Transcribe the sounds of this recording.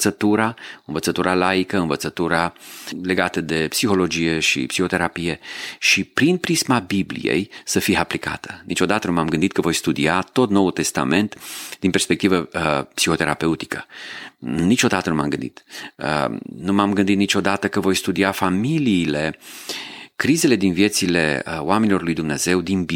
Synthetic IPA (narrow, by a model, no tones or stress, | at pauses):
t̪sət̪uɾaɨnvət̪sət̪uɾalaikəɨnvət̪sət̪uɾale̞ɡat̪əd̪e̞psixo̞lo̞d͡ʒije̞ʃḭpsixo̞t̪e̞ɾapije̞ʃipɾinpɾismabiblḭjḛjsəfijeaplika̰t̪ʰə̥nit͡ʃo̞d̪at̪ənumamɡɨnd̪it̪̚kəvo̞jst̪ud̪iat̪o̞t̪no̞ult̪e̞st̪a̰me̞nt̪d̪inpe̞rspe̞k̚t̪ivəpsixo̞t̪e̞ɾape̞ut̪i̥kə | nit͡ʃo̞d̪at̪ənuma̰mɡɨnd̪ḭt̪ə̰numamɡɨnd̪it̪nit͡ʃo̞d̪at̪əkəvo̞jst̪ud̪iafamiliːle̞ | kɾize̞le̞d̪invije̞t̪sile̞oame̞nilo̞rlujd̪umne̞ze̞wd̪inb